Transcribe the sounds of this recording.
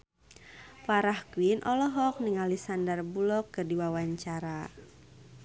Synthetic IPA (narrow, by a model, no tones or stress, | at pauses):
paɾahkuinʔɔlɔɦɔk̚niŋalisandarbulɔkːɨrdiwawaɲt͡ʃaɾa